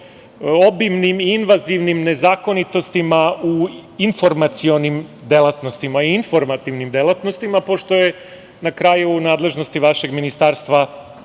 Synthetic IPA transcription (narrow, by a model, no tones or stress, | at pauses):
o̞bimnimiinʋaziʋnimne̞zaːko̞nit̪o̞st̪imauinfo̞ɾmat̪sio̞nimd̪elˠat̪no̞st̪imaiinfo̞ɾmat̪iʋnimd̪elˠat̪no̞st̪imapo̞ʃt̪o̞je | nakɾaːjunaːd̪le̞ʒno̞st̪iʋaʃe̞ɡminist̪aːɾst̪ʋa